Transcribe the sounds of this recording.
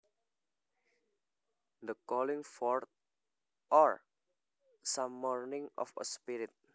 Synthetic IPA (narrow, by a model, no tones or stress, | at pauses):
d̪əkɔliŋfɔɹt̪̚ | ʔɔɹ | samːɔɹnɪŋɔ̰fə̰spiɾit̪̚